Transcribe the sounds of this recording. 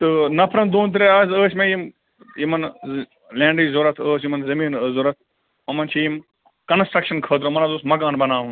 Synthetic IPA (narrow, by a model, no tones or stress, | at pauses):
t̪ɨnɐpʰɾɐnd̪oːnt̪̬ɐɾeɐzəːsʲmẽjim | jimɐn | lʲẽːɳɖiːzoːɾɐt̪ʰəːsjimɐnzɐmiːnəzoːɾɐt̪̚ʰ | mɐmɐnt͡ʃʰijim | kɐnsʈɾɐkʃɐnkʰəːd̪ɾomɐnɐzoːsmɐɡaːnbɐnaːɦũː